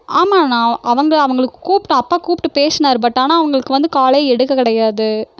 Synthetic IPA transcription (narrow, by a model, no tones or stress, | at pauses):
aːmaːnãːʔɐʋɐŋɡɐɭɐʋɐŋɡɐɭɯkːɯkuːpɪʈʊ̃ɐpːaːkuːpɪʈːɯpeːsɐnaːɾɯp̬ɐʈːaːnaːɐʋɐŋɡɐɭɯkːɯʋɐnd̪ɯkaːlɐjɛɽɯkːɐkɪɽɐjaːðɯ